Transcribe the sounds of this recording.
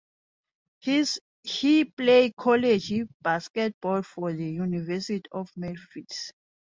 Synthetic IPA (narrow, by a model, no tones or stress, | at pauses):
hiplejkʰɔled͡ʒibaskɛt̚bɔlfɔðəjunivɛsitiʔɔfmɛlfits